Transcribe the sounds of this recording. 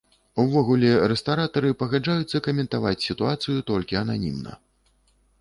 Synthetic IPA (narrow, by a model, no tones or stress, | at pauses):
uvɔɣulʲɛrɛst̪aɾat̪ɐɾɨpɐɣad͡ʐajut̪sːɐkɐmʲɛnt̪avat͡sʲsʲit̪uat̪sɨjut̪ɔlʲkʲiɐnanʲḭmnɐ̰